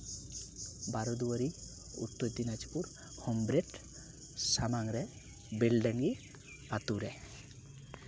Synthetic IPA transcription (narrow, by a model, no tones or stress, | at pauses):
baɾɔd̪uwaɾi | ṵt̪ːod̪inad͡ʒi̥puɾ | hɔmbɾeʈ | samaŋɾɛ | belɖaŋɡi | pat̪uɾɛ